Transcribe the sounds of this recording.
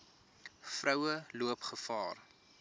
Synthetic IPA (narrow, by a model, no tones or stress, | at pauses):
frœwəluəpχəfɑ̰ːr